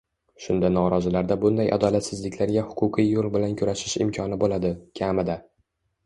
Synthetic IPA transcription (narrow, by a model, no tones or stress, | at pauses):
ʃʊnd̪anɒɾɒzɪlaɾd̪abʊnd̪ajʔa̰d̪ɒlat̪sɪzlɪkʲʰlaɾɡʲahʊ̥qʰʊqʰɨjːolˠbɪlankʰʊɾaʃɪʃɪ̰mkʰɒnɪbolad̪ɪkʲʰamɪd̪a